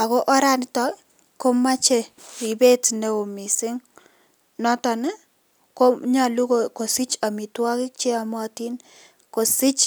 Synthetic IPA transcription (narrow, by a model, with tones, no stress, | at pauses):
a˨ko˦ʔɔ˦ɾa˦n˨tɔ˦ | ko˦ma˦t͡ʃe˨i˨be˦tne˨o˨mi˨sɪ˦ŋ | nɔ˦tɔ˨nɛ˦ | ko˦ɲa˨lu˦ko˨ko˨si˦t͡ʃa˨mi˨twa˦kɪ˦k̚t͡ʃe˦a˨mɔ˦ti˦n | ko˨sɪ˦t͡ʃ